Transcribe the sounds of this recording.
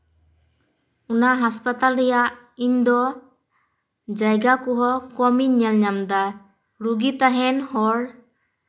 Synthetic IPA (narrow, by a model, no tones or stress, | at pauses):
unaɦaspat̪alɾɛjaʔ | iɲd̪ɔ | d͡ʒajɡakuɦɔkɔmiɲɛlɲamd̪a | ɾuɡit̪aɦɛnhɔɽ